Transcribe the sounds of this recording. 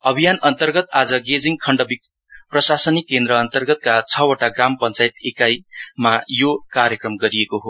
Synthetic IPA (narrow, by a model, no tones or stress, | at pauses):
ʌbʱijanʌnt̪ʌrɡʌt̪ad͡zʌɡed͡ziŋkʰʌɳɖʌbik̚ | prʌsasʌnikːend̪ɾʌːnt̪ʌrɡʌt̪̚kat͡sʰʌoʈaɡrampʌnt͡sajt̪ekajmajokaɾjʌkrʌmɡʌɾiekoɦo